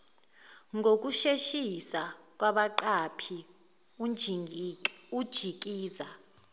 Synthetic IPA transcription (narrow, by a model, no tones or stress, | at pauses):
ŋɡʱok̬ʼuʃeʃisa | k̬ʼwaɓaǃapʰi | ud̥ʒ̥ʱik̬ʼiːza